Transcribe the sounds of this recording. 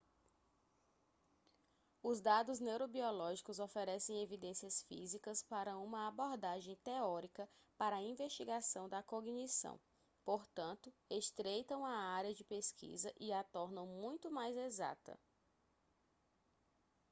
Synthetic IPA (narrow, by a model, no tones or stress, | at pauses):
ʊzd̪ad̪ʊznewɾobiɔlɔʒikʊzofeɾɛsẽj̃evid̪ẽsiɐsfḭzikɐspaɾɐũmɐabɔɾd̪aʒẽj̃t̪eɔɾikɐpaɾɐaĩveʃt͡ʃiɡasɐ̃w̃d̪ɐkoɡnisɐ̰̃w̃ | poɾt̪ɐ̃nt̪ʊeʃt̪ɾejt̪ɐ̃w̃ɐaɾiɐd͡ʒɪpeskʰḭzɐʔiat̪ɔɾnɐ̃w̃mũj̃t̪ʊmajzeza̰t̪ɐ̰